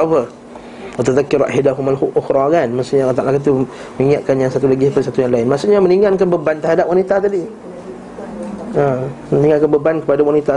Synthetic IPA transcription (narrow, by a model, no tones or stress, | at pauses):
fə | wat̪aðakːɪɾʔa̰hadaɦumaluʔʊxɾɑkanmast̪uʔɲaat̪a̰ʔlakat̪u | məiŋaʔ̪̚kanjaŋsat̪ulaɡipəsat̪ujaŋlaɪnmaʔsuʔɲaməniŋankanbəbant̪əɾɦadap̚wanit̪at̪adi | ə | məniŋalkanbəbankəpadawanit̪a